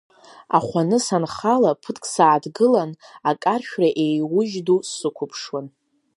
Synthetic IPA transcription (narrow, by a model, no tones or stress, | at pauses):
a̰χʷanɨsanχalapʰɨtʰʼkʼsaːdɡɨlanakʼarʃᶣraʔe̞jwʊʒdusːɨkʷʰʊpʰʂwan